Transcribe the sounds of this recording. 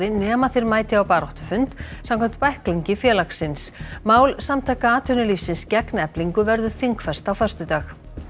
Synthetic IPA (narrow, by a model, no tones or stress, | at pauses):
ðɪnɛːmaθɪɾmaːjt̪ɪawpaːɾɔht̪ʏfʏnt̪samkʰɛm̥t̪pajhkliɲcɪfjɛːlaksɪnsmaːwlsamt̪ʰaːjkaaːt̪ʰʏnʏlifsɪnscɛknɛpliŋkʏvɛɾðʏ̥θiŋkfɛst̪awfœr̥st̪ʏt̪aːx